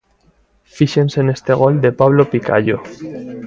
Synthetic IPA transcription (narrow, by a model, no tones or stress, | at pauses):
fiʃe̞nsene̞st̪e̞ɣ̞o̞ld̪e̞paβ̞lopika̰ʎo